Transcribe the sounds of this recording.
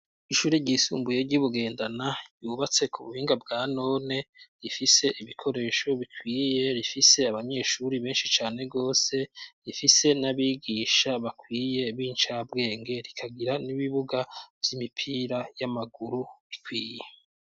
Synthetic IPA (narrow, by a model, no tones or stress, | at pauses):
iʃuːɾeɟiːsṵːmbuje̞ɾɟuβuɡe̞ːndanajuːβat͡se̞kʰuβuhiːŋɡab̚ɡaːno̞ːne̞ɾifise̞ʔiβikʰo̞ɾe̞ːʃo̞βikʰwiːje̞ɾifise̞aβaɲe̞ːʃuɾiβe̞ːnʃit͡ʃaːne̞ɡo̞ːse̞ɾifise̞naβiːɡiːʃaβakwiːje̞βiːnt͡ʃabɡe̞ːŋɡe̞ɾikʰaɡiɾaniβiβuɡavjimipʰiɾajamaɡuɾuβikwiːje